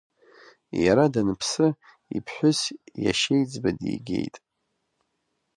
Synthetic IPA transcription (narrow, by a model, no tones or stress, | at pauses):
jaɾadanɨpʰsɨ | ḭpʰħʷʊsja̰ʃejd͡zbadḭjɡʲḛjtʼ